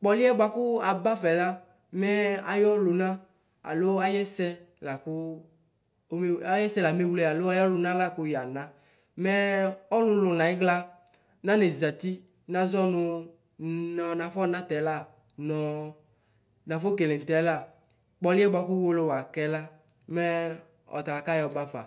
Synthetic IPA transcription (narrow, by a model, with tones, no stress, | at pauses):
k͡pɔ˨li˦ɛ˦ba˦kʊ˦a˨ba˦fɛ˨la˦ | mɛ˦a˨jɔ˦lʊ˨nã˦ | a̰˨lo˦a˦jɛ˦sɛ˧la˨kʊ˦ | me˦a˦jɛ˦sɛ˦la˨me˦wlɛ˦˨a˨lo˦a˦jɔ˦lʊ˨nã˦la˦˨kʊ˦ja˨nã˦ | mɛ˦ɔ˦lʊ̃˧lʊ˨nã˨i˦ɡla˧ | nã˦ne˨za˨t̪i˦ | nã˨zɔ˦nʊ˧ | nɔ˨nã˨fɔ˦˨nã˦tɛ˨˦la˦˨ | nɔ˨ | nã˨fo˦ke˨le˨n˨tɛ˨˦la˦˨ | k͡pɔ˨˦lɪ˦ɛ˦ba˦kʊ˦wo˦lo˦˨wa˨kɛ˦la˦ | mɛ˦ | ɔ̰˨t̪a˨la˨ka˦jɔ˨ba˦fa̰˨